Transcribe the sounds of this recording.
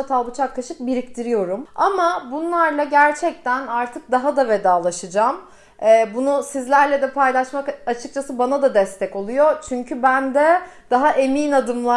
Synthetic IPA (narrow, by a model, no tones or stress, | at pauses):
at̪ʰalˠbut͡ʃʰak̚kʰːaʃɯk̚biɾict̪ʰiɾijo̞ɾuma̰mabunlˠaɾlˠaɟæɾt͡ʃʰɛc̚t̪ʰænaɾt̪ʰɯk̚d̪aɦad̪ave̞d̪aːlˠaʃɯd͡ʒam | ɛːbunusizlʲæɾlʲɛd̪ɛpʰajlˠaʃmakat͡ʃʰɯk̚t͡ʃʰasɯbanad̪ad̪ɛst̪ʰɛko̞lˠujot͡ʃʰyɲcʰybænd̪ɛd̪̥aɦaʔe̞miːnad̪ɯmlˠa